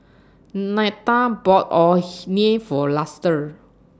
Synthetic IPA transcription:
nat̪abɔtɔnefɔlastəɹ

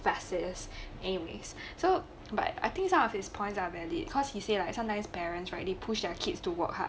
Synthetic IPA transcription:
fasəsʔɛniwḛsso | ba̰t̚a̰ɪt̪ɪ̃ŋksãmɔfhɪspʰɔ̃ɪ̃ntsavɛlḭkʰɔshiselaɪksãmtãɪ̃mspɛɹə̃nsɹaɪt̚depʰuʃdɛkʰitstuwɔ̰kha̰

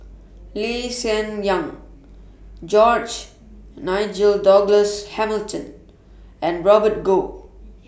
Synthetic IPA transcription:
lesɛ̃njãŋ | d͡ʒɔd͡ʒ | naɪd͡ʒəldɔɡləshɛməltʰə̃n | ɛ̃nɹɔbət̚ɡo

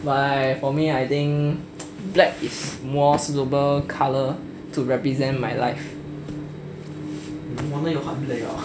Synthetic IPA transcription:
bajfɔmiajt̪ĩŋ | blɛk̚ismɔstobəkʰalə | tuɹɛpɹizɛ̃nmajla̰ɪf | wɔ̃nəjɔpat̚blɛka̰

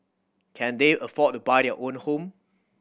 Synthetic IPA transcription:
kʰɛ̃ndeʔəfɔt̚tːubaɪdɛəʔõnhõm

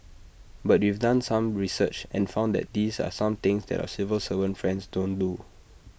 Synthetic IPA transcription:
bat̚wivdãnsãmɹisət͡ʃɛ̰̃nfãʊ̃ndɛ̰t̚disa̰sãmt̪ɪ̃ŋsdɛ̰ta̰sivəlsəvə̃nfɹɛ̃nsdõndu

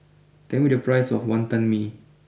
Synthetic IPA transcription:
tɛ̃ŋwidəpɹajsɔ̰fwãnt̪ãnmi

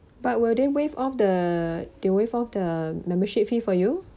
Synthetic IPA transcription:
bat̚wildewefɔfdədewevɔfdəmɛ̃mbəʃip̚fifɔju

